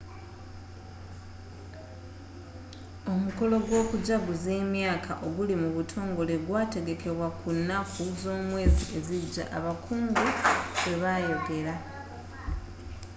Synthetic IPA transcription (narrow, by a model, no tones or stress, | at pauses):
o̞muko̞lo̞ɡwo̞ːkuɟaɡuze̞ːmjaːkʰa̰ʔo̞ɡulimuβutʰo̞ːŋɡo̞le̞ɡwaːte̞ɡe̞keβwakunːakuzo̞ːmwe̞ːzie̞ziɟa̰ʔaβakuːŋɡuwe̞βajo̞ɡe̞ɾa